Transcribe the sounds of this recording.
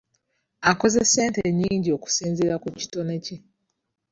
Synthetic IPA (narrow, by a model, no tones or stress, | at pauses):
ako̞ze̞se̞ːnteɲiːɲɟio̞ku̥siːnziɾakuci̥to̞nece